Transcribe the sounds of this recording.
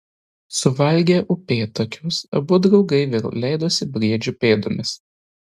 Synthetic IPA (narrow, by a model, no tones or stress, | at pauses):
sʊʋɐlʲɡʲeːʔʊpʲeːt̪ɐkʲʊsɐbʊd̪ɾɒʊɡɐɪʋʲɪllʲɛɪd̪oːsʲɪbʲɾʲiɛd͡ʒʲʊpʲeːd̪omʲɪs